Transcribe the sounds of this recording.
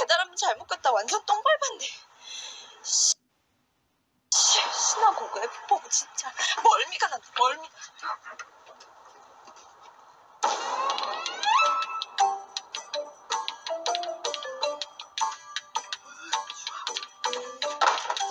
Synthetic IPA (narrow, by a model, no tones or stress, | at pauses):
kedaɾamjʌnt͡ɕaɭmot̚k͈et̚t͈awand͡ʑʌnt͈oŋbaɭbande | ɕʰinaɡoɡoepup͈ʌɡot͡ɕint͡ɕ͈amʌɭmiɡanamʌɭmiɡa